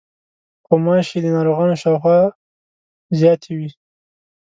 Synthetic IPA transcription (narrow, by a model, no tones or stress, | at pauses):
pomɑʃed̪ənɑɾoɣɑnoʃɑwxwɑ | zjɑt̪ʰewi